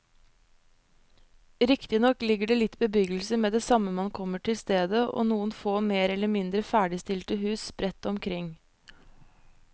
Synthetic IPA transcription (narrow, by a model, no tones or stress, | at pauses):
ɾɪkt̪ɪnɔklɪɡəɖeːlɪt̪bəbʏɡl̩səmeːd̪eːsɑməmɑnkʰɔməʈʰɪlst̪eːd̪əʔo̰ːnuːənfoːmeːɾɛləmɪnd̪ɾəfæːɖɪst̪ɪlt̪əhʉːsb̥ɾɛt̪ɔmkʰɾɪŋ